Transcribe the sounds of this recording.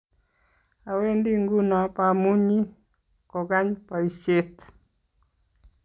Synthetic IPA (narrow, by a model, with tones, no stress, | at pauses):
a˨we˦ndi˦ŋɡu˦na˨pa˨mu˦ɲi˦ | kɔ˨ɡa˦ɲpa˨i˨ʃe˦t̪